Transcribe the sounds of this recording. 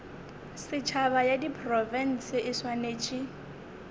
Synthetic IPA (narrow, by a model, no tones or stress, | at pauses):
sɪt͡ʃʰabajadipʰʼrɔvɛn̩sɪʔɪswaneːt͡ʃʼi